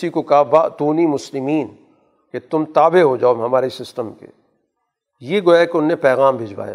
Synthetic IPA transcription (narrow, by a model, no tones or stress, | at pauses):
ɪsikokɐɦabaːt̪uːnimʊslɪmiːn | ket̪ʊmt̪aːbeɦod͡ʒaːomɦɐmaːɾesɪsʈəmkḛː | jeɡoːjakeʊnːẽpɛːɣaːmbʱɪd͡ʒʋa̰ːja̰ː